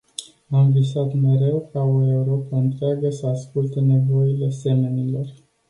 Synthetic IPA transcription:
amvisat̪me̞ɾe̞wkao̞e̞uɾo̞pəɨnt̪ɾeaɡəsəaskult̪e̞ne̞vo̞ile̞se̞me̞nilo̞r

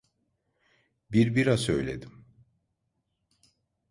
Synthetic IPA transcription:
biɾbiɾasøjlʲḛd̪im

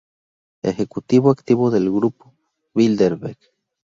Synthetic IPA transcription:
ḛxekut̪iβoakt̪iβoðelɣɾupo | βild̪eɾβeɾɡ

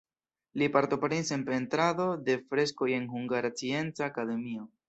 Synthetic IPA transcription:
lipaɾt̪o̞pɾenise̞npe̞nt̪ɾado̞de̞fɾe̞sko̞je̞nhuŋɡaɾat͡sie̞nt͡saːkade̞mio

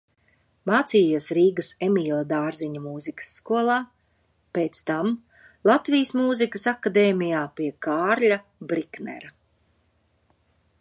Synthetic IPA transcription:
maːt̪siːjisɾiːɡəsemiːlˠad̪aːɾziɲɐmuːzikə̥sːkuɔlˠaː | peːt̪st̪am | lˠat̪vijəsmuːzikəsakad̪eːmʲijaːpiɛkaːɾlʲa | bɾiknɛ̰ɾa

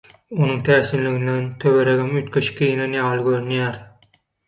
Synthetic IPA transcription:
onuŋt̪ʰæːsinliɣind̪ent̪ʰøβeɾeɣimyt̪̚kʰeʃi̥kijnenjɑːlˠɯɡøɾynjæːɾ

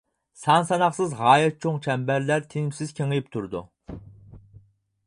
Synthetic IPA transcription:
sɑnsɑnɑχsɨzʁɑːjɛt̪̚t͡ʃʰoŋt͡ʃʰɛmbæɾlæɾt̪ʰenɪmsɪz̥kʲʰeŋɨjip̚t̪ʰuɾd̪ṵ

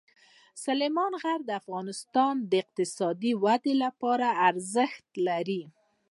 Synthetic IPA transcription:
salemɑnɣaɾd̪əafɣɑnɪst̪ɑnd̪əɪq̚t̪ɪsɑd̪iwad̪elapɑɾaːɾzəxt̪laɾi

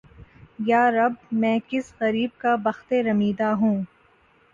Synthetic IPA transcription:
jaːɾɐbmɛ̃ːkɪsqɐɾiːb̚kabɐxt̪eɾɐmiːd̪aɦũː

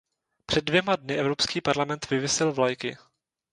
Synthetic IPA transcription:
pr̥ɛd̚ːvjɛmadnɪʔɛvɾo̞pskiːpaɾlamɛnt̪vɪvɪsɪlvlajkɪ̰

